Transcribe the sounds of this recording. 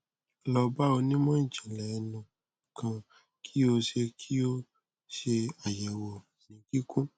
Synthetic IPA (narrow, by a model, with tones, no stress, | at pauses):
lɔ˧ba˦o˧nĩ˦mɔ̃˦˨d͡ʒɛ˨lɛ˨ɛ˧nũ˨ | kʰã˧ | kʰi˦o˧ʃe˧kʰi˦o˦ | ʃe˧a˨jɛ˨wɔ˨ | nĩ˨ɡi˦kʰũ˦